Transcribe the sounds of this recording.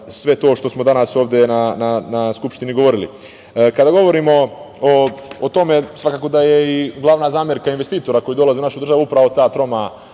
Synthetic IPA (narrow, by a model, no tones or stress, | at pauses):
sʋe̞t̪o̞ːʃt̪o̞smo̞d̪anaso̞ːʋd̪jenananaskupʃt̪iniɡo̞ʋo̞ɾilḭ | kad̪aɡo̞ʋo̞ɾimo̞ | oːt̪o̞me̞sʋakaːko̞d̪ajeiɡlˠaʋnazaːmjeɾkainʋe̞st̪iːt̪o̞ɾako̞jid̪o̞lazeunaʃud̪r̩ʒaʋuupɾaʋo̞t̪aːt̪ɾo̞ma